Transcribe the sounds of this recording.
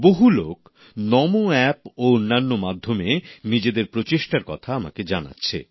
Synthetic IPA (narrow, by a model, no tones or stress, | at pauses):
boɦulok | nɔmoɛpoonːanːomad̪ʱːomenid͡ʑed̪eɾpɾot͡ɕeʃʈaɾkɔt̪ʰaama̰ked͡ʑana̰tːɕʰḛ